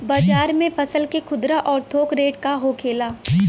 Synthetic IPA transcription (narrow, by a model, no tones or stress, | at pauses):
baːd͡ʒaːɾmẽpʰɐsəlkekʰʊd̪ɾaʔɔːɾt̪ʰoːkɾeːʈkaɦoːkʰeːlaː